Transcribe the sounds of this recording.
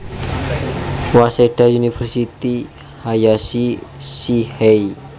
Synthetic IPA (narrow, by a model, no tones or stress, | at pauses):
waseɖ̥aunifɛrsit̪i | hajasisihɛi